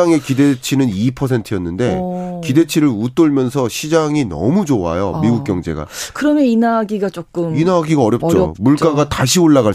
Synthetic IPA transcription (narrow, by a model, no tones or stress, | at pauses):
aŋe̞kide̞t͡ɕʰinɯnipʰʌs̬ʰe̞ntʰɯjʌnːɯnde̞kide̞t͡ɕʰiɾɯɭut͈oɭmjʌnsʰʌɕʰid͡ʑaŋinʌ̰mud͡ʑoa̰jomiɡuk̚k͈jʌŋd͡ʑe̞̰ɡa̰kɯɾʌmjʌninaɡiɡat͡ɕ͈ok͈ɯminaɡiɡaʌɾjʌp̚t͡ɕ͈o̰muɭk͈aɡataɕ̬ʰioɭːaɣa